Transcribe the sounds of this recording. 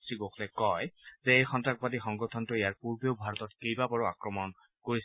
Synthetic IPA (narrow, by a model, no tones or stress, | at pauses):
siɡoxʰlɛkɔjzɛejxɔntɹak̚badixɔŋɡɔtʰɔntʊejaɹpuɹbeoʊbʱaɹɔtɔtkejbabɔɹɔakɹɔmɔn | koɹis